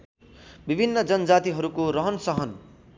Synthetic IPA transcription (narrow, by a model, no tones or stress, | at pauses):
bibʱinːʌd͡zʌnʌd͡zat̪iɦʌɾukoɾʌɦʌnsʌɦʌn